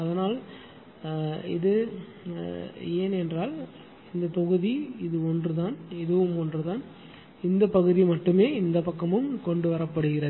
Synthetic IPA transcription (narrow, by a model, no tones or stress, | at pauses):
ɐðɐnaːl | ɪðɯ | eːnɛndraːl | ɪnd̪ɐt̪ɔɣɯðiɪðɯɔndrɯt̪aːnɪðɯʋɯmɔndrɯt̪aːn | ɪnd̪ɐpɐɣɯðimɐʈːɯmeːɪnd̪ɐpɐkːɐmɯmkɔɳɖɯʋɐɾɐpːɐɽɯɣɪɾɐðɯ